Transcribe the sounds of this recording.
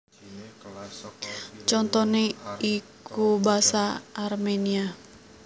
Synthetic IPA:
t͡ʃɔnt̪ɔneikubasaːrmenia

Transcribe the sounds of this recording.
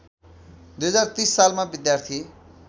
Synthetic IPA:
d̪ujɦʌd͡zart̪isːalmabid̪jart̪ʰi

